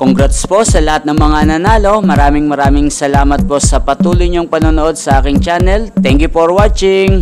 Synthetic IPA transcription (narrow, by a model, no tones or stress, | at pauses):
koŋɡɾat̪spo̞sɐlɐhat̪̚nɐŋmɐŋanɐnaːlo̞mɐɾaːmɪŋmɐɾaːmɪŋsɐlaːmɐt̪̚po̞sɐpɐt̪uːlʊjɲoŋpɐnoːnoʔo̞d̪̚sɐʔaːkɪŋt͡ʃaːnɛlt̪ɛŋkjʊfoɹwat͡ʃɪŋ